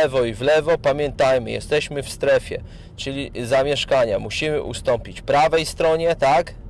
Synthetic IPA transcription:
ɛvɔivlɛvɔpamʲjɛnt̪ajmɘ̰jɛ̰st̪ɛɕmɘfst̪ɾɛfʲjɛ̰ | t͡ʂɘlʲizamʲjɛʂkaɲamuɕimɘ̰ʔṵst̪ɔmpʲit͡ɕpɾavɛjst̪ɾɔɲɛt̪ak

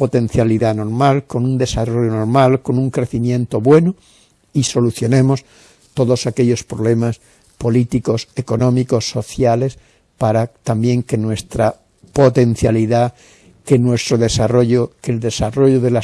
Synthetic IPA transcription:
po̞t̪ẽ̞n̟θjaliðano̞ɾmalko̞nund̪e̞saro̞ʎonoɾmalko̞nũŋkɾe̞θimjẽnt̪o̞βwe̞no | iso̞luθjo̞nẽ̞mo̞s | t̪oðosakeʎo̞spɾoβle̞mas | po̞lit̪iko̞se̞ko̞nõ̞miko̞sːo̞θjale̞s | paɾat̪ambjẽ̞ŋkenwe̞st̪ɾa | po̞t̪e̞n̟θjaliða | kenwe̞st̪ɾoðe̞saro̞ʎokeld̪e̞saro̞ʎoðela

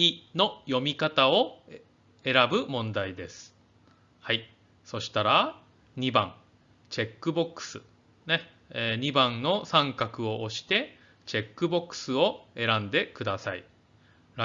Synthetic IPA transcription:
ino̞jo̞mʲikat̪ao̞ | e̞ɾabɯ̟mõ̞nd̪aid̪e̞sɨ̥ | hai | so̞ɕi̥t̪aɾa | ɲ̟ibãŋ | t͡ɕe̞kːɯ̟bo̞kːɯ̥sɨ | ne̞ː | ɲ̟ibãnno̞sãŋkakɯ̟o̞ʔoɕi̥t̪e̞ | t͡ɕe̞kːɯ̟bo̞kːɯ̥sɨo̞e̞ɾãnd̪e̞kɯ̟d̪asaḭ | ɾa

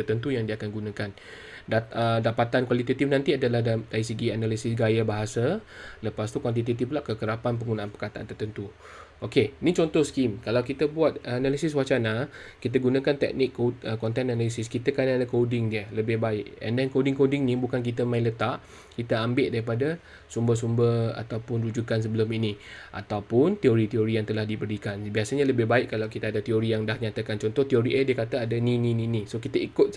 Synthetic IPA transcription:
ərt̪ənt̪ujaŋdiəakanɡunãkan | daədapat̪ankwalit̪at̪ifnãnt̪iadalahdaisəɡianalisɪsɡajabaɦasaləpast̪ukwant̪̬it̪at̪iflaʔkəkəɾapanp̬əŋɡunãanpərkat̪aʔa̰nt̪ərt̪ənt̪u | ʔokeinĩt͡ʃɔnt̪ɔhskimkalawkit̪əbuat̪̚analisɪs̬wat͡ʃanakit̪̬əɡunãkant̪ɛ̰k̚nɪkːoəkɔnt̪ɛnanalisɪskit̪akanadakodɪŋdiələbɪhbaɪʔɛ̰ndɛnkodɪŋkodɪŋnĩbukankit̪əmãĩlət̪aʔ | kit̪aambɪʔ̚daɾipada | sumbəs̬umbəa̰t̪awpʊnɾud͡ʒukans̬əbəlaminĩʔa̰t̪awpʊnt̪ioɾit̪ioɾijaŋt̪əlahdibəɾikanbiasaɲaləbɪhbaɪʔkːalawkit̪aadat̪ioɾijaŋdahɲat̪akant͡ʃɔnt̪ɔht̪ioɾiʔədiəkat̪aadanĩnĩnĩnĩsokit̪aikʊt̪̚

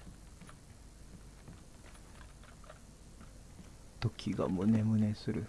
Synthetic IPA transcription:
t̪o̞kʲʰiɡa̰mone̞mɯ̟nesɨɾɯ̟

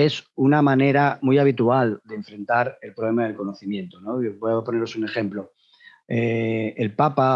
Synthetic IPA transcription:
e̞sunamane̞ɾamujaβ̞it̪uald̪e̞ːɱfɾe̞nt̪aɾe̞lpɾoβle̞maðelko̞no̞θimjẽ̞nt̪ono̞bweðapo̞neɾo̞sune̞χe̞mplo̞ | eelpapa

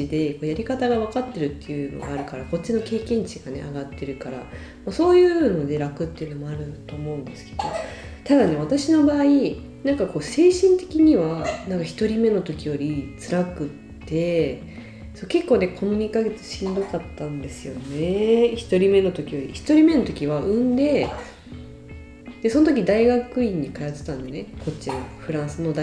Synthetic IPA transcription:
t͡ɕid̪e̞ko̞ːjaɾʲikat̪aɡaβ̞akat̪ːe̞ɾɯ̟t̪ːe̞jɯ̟ːno̰ɡa̰aɾɯ̟kaɾako̞t͡ɕino̞ke̞ːkẽ̞ɲ̟t͡ɕiɡane̞̰aɡat̪ːe̞ɾɯ̟kaɾa̰ | maso̞ːjɯ̟ːno̞d̪e̞ɾakɯ̟t̪ːe̞iɯ̟no̞mo̞aɾɯ̟t̪o̞ːmo̞ɯ̟̃nd̪esɨ̥ke̞d̪̥o̞̰ | t̪ad̪ane̞βat̪aɕino̞baːi | nãŋkako̞ːse̞ːɕĩnt̪e̞̥kʲiɲ̟iβanãŋkaçi̥t̪o̞ɾʲime̞no̞t̪o̞kʲijo̞ɾʲit͡sɨɾakɯ̟t̪ːe̞ | so̞ːke̞kːo̞ːne̞kʰo̞mʲiɲ̟ikaɡe̞t͡sɨ̥ɕĩnd̪okat̪ːãnd̪e̞sɨjo̞ne̞çi̥t̪o̞ɾʲime̞no̞t̪o̞kʲijo̞ɾʲiçi̥t̪o̞ɾʲime̞no̞t̪o̞kʲiβaʔɯ̟̃nd̪e̞ | d̪̥e̞so̞not̪okʲid̪aiɡakɯ̟ĩɲ̟ːikajat̪ɨ̥t̪ãnd̪e̞ne̞ko̞t͡ɕːinoɸɯ̟ɾãɰ̃sɨno̞d̪a

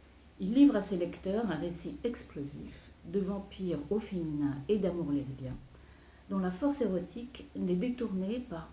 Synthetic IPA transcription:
ilːivʁaselɛkt̪œʁɛ̃ʁesiɛksplozḭf | d̪əvɑ̃piʁofeminɛ̃ed̪amuʁlɛzbjɛ̃ | d̪ɔ̃lafɔʁseʁɔt̪ʰiknɛd̪et̪uʁnepaʁ

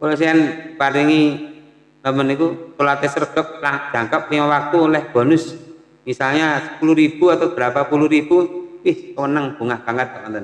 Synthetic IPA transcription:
kolosianpaɾiŋi | nəmənikutulat̪esərɡ̥ə̤p̚lad̪̥a̤ŋkap̚limawak̚t̪ulɛhb̥ɔ̤nʊs | misalɲasəpuluɾib̥ṳat̪awb̥əɾapapuluhɾib̥uwɪhwənəŋb̥ṳŋahɡ̥aŋɡad̪̚akant̪ən

